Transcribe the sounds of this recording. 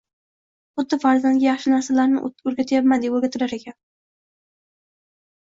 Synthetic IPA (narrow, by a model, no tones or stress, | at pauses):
χʊd̪ːɪfaɾzanɡʲajɑχʃɪnaɾsalaɾnɪ̰ɵɾɡʲat̪ʰajapmad̪eoɾɡʲat̪ʰɪɾaɾekʲan